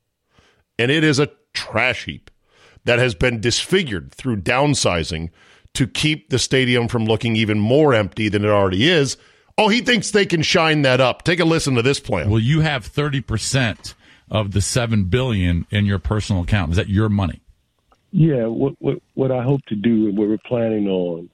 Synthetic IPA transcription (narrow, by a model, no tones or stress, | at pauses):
ɨ̃ñɪɾɪzɨ | tʰɹ̥æʃhḭp̚ | ðɨt̚hɨzbɨ̃ndɨsfɪɡjə˞d̪̚θɹʉdãʊ̃nsaɪzɪ̰̃ŋ | tʰɨkʰip̚ðɨsteɪɾiɨ̃ɱfɹʌ̃mlʊkɪ̃ŋivɨ̃nmɔɹɛ̃mp̚tiðɨ̃nɨɾl̩ˠɹɛɾiɪz | oʊiθɪ̃ŋksðeɪkɨ̃nʃãɪ̃nðɨɾʌp̚tʰeɪkəlɪsɨ̃n̩tɨðɪspʰl̥æ̰̃nwɛlˠjɨɨv̥θɜ˞ɾipʰə˞sɛ̃nt | ʔʌvðɨsɛvɨ̃nbɪlˠjɨ̃nɪ̃njə˞pʰɜ˞sn̩l̩ˠəkʰãʊ̃ntɨzðɨt͡ʃə˞mʌnḭ | jæwʌʔ̚wʌwʌɾaɪɦoʊp̚tʰɨdɨnwəwɹpʰl̥æ̃nɪ̃ŋə̃n